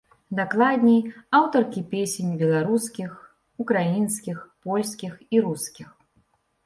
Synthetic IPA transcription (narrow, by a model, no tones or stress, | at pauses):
d̪aklˠad̪ʲnʲijawt̪ɐrkʲipʲesʲenʲbʲɛlˠaɾuskʲix | ukɾajinskʲixpɔlʲskʲixiɾuskʲix